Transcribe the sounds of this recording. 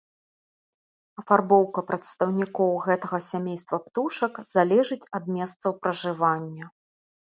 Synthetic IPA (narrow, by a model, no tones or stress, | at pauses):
ɐfarbɔwkɐpɾɐt̪st̪ɐwnʲikɔwɣɛt̪ɐɣɐsʲamʲejst̪vɐpt̪uʂɐkzalʲɛʐɨt͡sʲɐd̪̚mʲɛst̪sɐwpɾɐʐɨvanʲːɐ